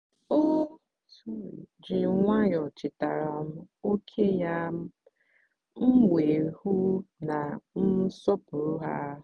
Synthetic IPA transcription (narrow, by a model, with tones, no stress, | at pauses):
o˦ | su˦ḭ˨d͡ʒɪ˨ŋʷa˦jɔ˨t͡ʃɪ˨ta˨ɾa˨m̩˦o˦kʰe˦ja˦m̩˦ | ŋ̩˦ŋʷe˨ɾhu˦na˨n̩˦sɔ˦pʊ˨ɾʊ˦ɦa˦